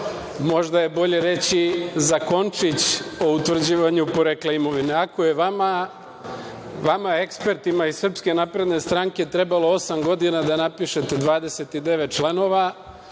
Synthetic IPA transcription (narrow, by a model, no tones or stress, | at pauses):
mo̞ʒd̪aje̞bo̞ʎe̞ɾe̞t͡ɕizako̞nt͡ʂit͡ɕo̞ut̪ʋr̩d͡ʑiːʋaɲupo̞ɾekleimo̞ʋineako̞je̞ʋama | ʋamae̞kspe̞ɾt̪imaisr̩pske̞napɾe̞d̪ne̞st̪ɾaŋke̞t̪ɾe̞balo̞o̞samɡo̞d̪inad̪anapiʃe̞t̪e̞d̪ʋaːd̪e̞se̞t̪id̪e̞ʋet̪̚t͡ʃlˠano̞ʋa